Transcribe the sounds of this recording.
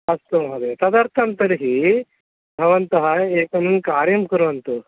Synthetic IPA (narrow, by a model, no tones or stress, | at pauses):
ɐst̪oɦɐd̪et̪ɐd̪ɐɾt̪ʰɐnt̪ɐɾiɦiː | bʱɐʋɐnt̪ɐɦɐeːkɐnunkaːɾjɐmkɐɾʋɐnt̪u